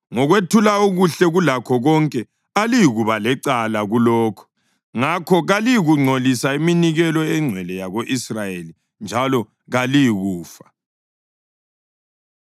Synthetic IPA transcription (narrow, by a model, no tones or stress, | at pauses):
ŋɔɣwetʰulauɣuɬɛɣulakʰɔɣɔŋkʼɛ | alijiɣuβalɛǀalaɣulɔːkʰɔ̥ | ŋakʰɔɣalijiɣuŋ͡ǀʱolisaiminiɣɛlɔɛŋ͡ǀʱwɛlɛjaɣoʔisrajeli | nd͡ʒʱalɔ | ɣalijiɣuːfḁ